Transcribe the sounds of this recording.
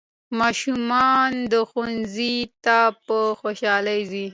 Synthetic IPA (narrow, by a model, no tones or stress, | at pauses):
mɑʃumɑnd̪əxunzit̪apəxoʃɑlajzi